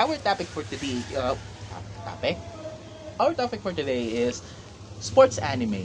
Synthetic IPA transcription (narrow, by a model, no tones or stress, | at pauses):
awəɹt̪ɑpɪkfə˞t̪ɨdi | t̪ʰɑ̰pt̪ʰɑ̰pɪk̚ | awə˞t̪ɑpɨk̚fə˞t̪ɨdeɪɪz̥ | spɔɹtsænɨmeɪ